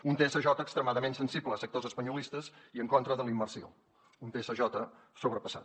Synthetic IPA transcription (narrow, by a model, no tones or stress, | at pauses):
unt̪eɛsəʒɔt̪əkst̪ɾəmaðəmensənsibləːsək̚t̪ozəspəɲulist̪əziəŋkont̪ɾəðəlimːərsio̰ | unt̪eesəʒɔt̪ə | soβɾəpəsa̰t̪